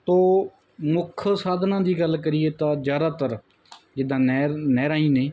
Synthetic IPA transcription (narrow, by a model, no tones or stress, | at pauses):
t̪oː | mʊkʰsaːd̪nãːd̪iːɡəlkəɾɪːeːt̪ãːzjaːd̪aːt̪əɾ | d͡ʒɪd̪ãːnɛnɛːɾaːĩːneː